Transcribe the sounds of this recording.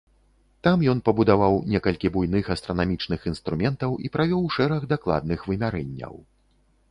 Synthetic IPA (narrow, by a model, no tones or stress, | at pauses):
t̪amjɔnpɐbud̪avawnʲɛkɐlʲkʲibujnɨxɐst̪ɾɐnamʲit͡ʂnɨxinst̪ɾumʲɛnt̪ɐwʔḭpɾavʲɔwʂɛɾɐɣd̪aklˠa̰d̪̚nɨxvɨmʲaɾɛnʲːɐ̰w